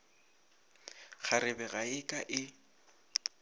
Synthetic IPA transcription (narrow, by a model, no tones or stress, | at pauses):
χʰaɾɪbɛɣaɪkʼaʔɪ